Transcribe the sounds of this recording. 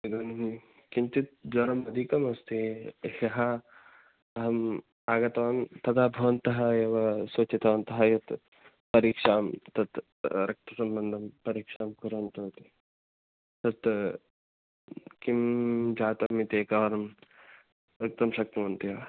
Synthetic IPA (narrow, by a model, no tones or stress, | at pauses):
id̪ɐnɦi | kint̪it̪̚d͡ʒɐɾɐmɐd̪ʱikɐmɐst̪ihɐɦɐ | ɐɦɐm | aːɡɐt̪ɐʋɐnt̪ɐd̪abʱɐʋɐnt̪ɐɦɐeːʋɐsot͡ʃit̪ɐʋɐnt̪ɐɦɐjɐt̪ | pɐɾiːkʂaːmt̪ɐt̪ | ɾɐk̚t̪ɐsɐmbɐnd̪ʱɐmpɐɾiːkʂaːmkuɾɐnt̪oːt̪i | t̪ɐt̪ | kimd͡ʒaːt̪ɐmːit̪eːkaʋɐɾɐm | ɾɐk̚t̪ɐmʃɐk̚t̪ɐʋɐnt̪iɐɐ